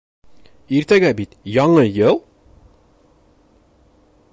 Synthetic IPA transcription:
iɾt̪æɡæbit̪jɒɴɤjɤlˠ

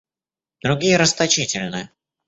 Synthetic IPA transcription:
d̪̥ɾʊɡʲijəɾəst̪ɐt͡ɕitʲɪlʲnɨjə

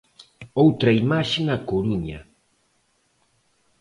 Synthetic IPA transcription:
owt̪ɾajmaʃnakʊɾuɲa̰

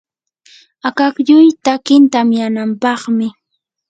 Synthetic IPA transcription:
akakʎʊjt̪akɪnt̪amjanampɑχmɪ

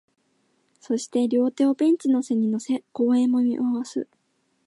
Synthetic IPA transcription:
so̞ɕi̥t̪e̞ɾʲo̞ːt̪e̞opẽ̞ɲ̟t͡ɕino̞se̞ɲ̟ino̞se̞ko̞ːẽ̞momʲḭʔoβasɨ̰

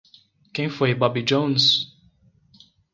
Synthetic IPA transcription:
kẽj̃fojbɔbid͡ʒõw̃ns

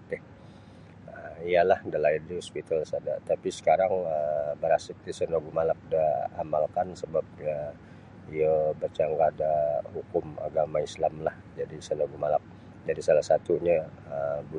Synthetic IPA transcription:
ɛh | əialahdalairdihɔspit̪alsadat̪apisə̥kaɾaŋəbəɾasɪk̚t̪isənoɡumalak̚daamalkansəbap̚ja | ijabərt͡ʃaŋɡadahukʊma̰ɡamaislamlahd͡ʒadisənoɡumalap̚ | d͡ʒadisalahsat̪uɲaəbu

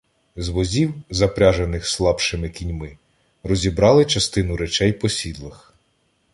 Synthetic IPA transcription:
zʋɔzʲiwzɐpɾʲaʒenɪxslˠɑpʃɪmɪkʲinʲmɪ | rɔzʲibɾɑlˠɪt͡ʃɐst̪ɪnʊɾɛt͡ʃɛjpɔsʲid̪lˠɐx

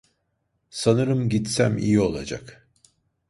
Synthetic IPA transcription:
sanɯɾɯmɟit̪sæmḭjio̞lˠad͡ʒa̰k

